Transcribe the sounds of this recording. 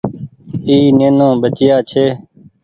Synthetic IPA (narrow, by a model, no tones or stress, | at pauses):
iːneːnõːbət͡ʃɪjaːt͡ʃʰeː